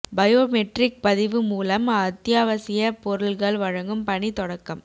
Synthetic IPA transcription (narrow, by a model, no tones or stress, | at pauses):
bɐjoːmɛʈrɪk̚pɐðɪʋɯmuːlɐmɐt̪jaːʋɐsɪjɐpɔɾɯɭɣɐɭʋɐɻɐŋɡɯmpɐɳit̪ɔɽɐkːɐm